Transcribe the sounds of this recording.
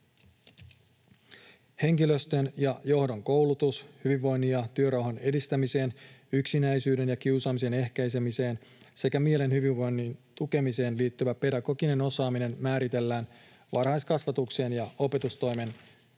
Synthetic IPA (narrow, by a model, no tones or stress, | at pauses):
he̞ŋkilø̞st̪ønjɑjo̞hdo̞ŋko̞wlut̪ushyʋiʋːo̞jnːijɑt̪yø̞ɾɑwɦɑne̞dist̪æmise̞ːnyksinæjsyːde̞njɑkiwsɑːmise̞ne̞hkæjse̞mise̞ːn | se̞kæmie̞le̞nhyʋiʋʋo̞jnːiːnt̪uke̞mise̞ːnliːt̪ːyʋæpe̞dɑkokine̞no̞sɑːmine̞nmæːɾit̪e̞lːæːn | ʋɑrhɑjskɑsʋɑt̪ukse̞ːnjɑo̞pe̞t̪ust̪o̞jme̞n